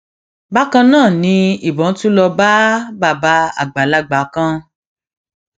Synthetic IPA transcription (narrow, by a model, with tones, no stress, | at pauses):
ba˦kã˧nãː˦˨nĩ˧i˨bɔ˨˦n̩˦tu˦lɔ˧ba˦ba˦˨ba˧˦a̰˨ɡ͡ba˨la˦ɡ͡ba˨˦kã˦